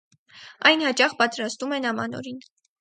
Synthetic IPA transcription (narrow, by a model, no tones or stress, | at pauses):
ɑjnhɑt͡ʃɑχpɑt̪ɾɑst̪umɛnɑmɑ̰nɔ̰ɾin